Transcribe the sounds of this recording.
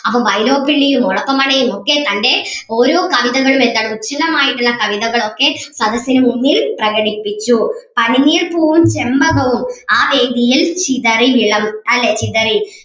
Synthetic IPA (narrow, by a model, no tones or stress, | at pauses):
ɐpːɐmʋɐjlo̞ːpːiɭːijumɔɭɐkːɐmɐɳɐjumokːe̞t̪ɐnde̞o̞ːɾo̞ːkɐʋiðɐɣɐɭume̞nd̪aːɳɨut͡ɕːɐnɐmaːjiʈːunːɐkɐʋiðɐɣɐɭo̞kːe̞sɐd̪ɐsjɐnumunːiːlprɐɣɐɽipːit͡ɕːupɐniniːrpoːʋumt͡ɕe̞mbɐɣɐʋumaːʋe̞ːd̪ijilt͡ɕiðɐriʋiɭɐmɐlːe̞t͡ɕiðɐri